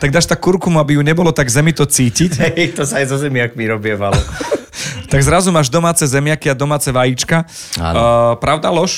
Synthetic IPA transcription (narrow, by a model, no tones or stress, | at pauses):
t̪aɡd̪aːʃt̪akːuɾkumuabijuɲɛbɔlɔt̪aɡzɛmit̪ɔt͡siːcicɛt̪ɔsaajzɔzɛmɪakmiɾɔbɪɛʋalɔ | t̪aɡzɾazumaːʒd̪ɔmaːt͡sɛzɛmɪakiad̪ɔmaːt͡sɛʋajit͡ʃka | a̰pɾaʊd̪alɔʃ